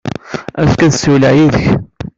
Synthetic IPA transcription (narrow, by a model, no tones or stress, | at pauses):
æðkænsuwlæjiðəç